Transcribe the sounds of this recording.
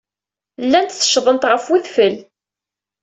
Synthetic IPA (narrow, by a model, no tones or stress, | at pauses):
lːænt̪θə̥ʃðˤənt̪ʁəfwiθfəl